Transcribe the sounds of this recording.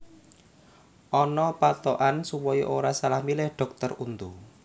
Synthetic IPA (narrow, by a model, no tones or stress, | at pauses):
ʔɔnɔpat̪ɔʔansuwɔjɔ̰ʔoɾasalahmilɪhɖ̥ɔ̤k̚t̪ɔrunt̪u